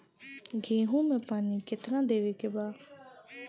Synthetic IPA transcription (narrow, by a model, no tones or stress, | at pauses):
ɡʱĩːɦũːmẽpaːniːkɪt̪nãːd̪eːʋeːkebaː